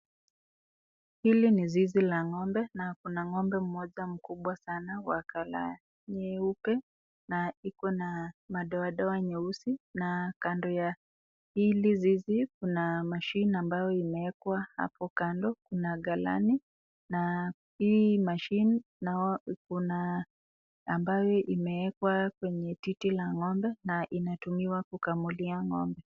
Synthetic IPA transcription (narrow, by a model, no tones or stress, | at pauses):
hilinizizilaŋɔmbɛnakunaŋɔmbɛm̩mɔʄam̩kuɓwasanawakala̰ | ɲɛupɛ | naikɔnamaɗɔaɗɔwaɲɛusinakandɔja | hilizizikunamaʃiniambajɔimɛɛkwaha̰pɔkandɔkunaɠala̰ni | na | himaʃini | nakuna | a̰mbajɔʔimɛɛkwakwɛɲɛtitilaŋɔmbɛnaʔinatumiwakukamuliaŋɔ̰mbɛ